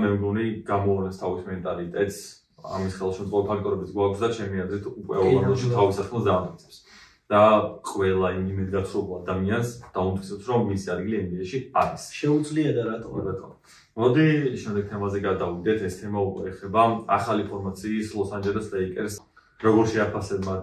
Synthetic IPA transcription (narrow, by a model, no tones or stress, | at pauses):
mɛmɡɔniɡ̥amɔɔnɛst̪ʰavismɛnt̪ʼalit̪ʼɛt̪ʼs | a̰misχɛlˠʃɛmt̪ʼɔɾipʰak̚t̪ʼɔɾɛbit̪ʰɡwakʰsd̪at͡ʃʰɛmiad̪ɾit̪ʰukʼwɛ̰ɔlˠand̪ɔʃit̪ʰavisat̪kʰmɛlˠszaanʼit̪sʰɛ̥ps | d̪̥aqʼwɛlˠaimimɛd̪ɡat̪sʰɾɔbuad̪amiansd̪̥aunt̪ʰkʰisɛpsɾɔmːisiad̪̚ɡiliɛmd̪iaʃiaɾisʃɛud̪zliad̪aɾat̪ʼɔbat̪ʼɔ̰ | mɔd̪iʃɛmd̪ɛɡ̚t̪ʰɛmazɛɡad̪avid̪ɛt̪ʰɛst̪ʰɛmaukʼwɛːχɛbaaχalipʰɔɾmat̪sʰiːslˠɔsand͡ʒɛlɛsd̪aikʼɛɾs | ɾɔɡɔɾʃɛapʰasɛma